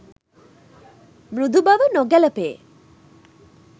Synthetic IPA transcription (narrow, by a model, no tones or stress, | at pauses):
mɾud̪ʱubaʋənɔɡɛləpeː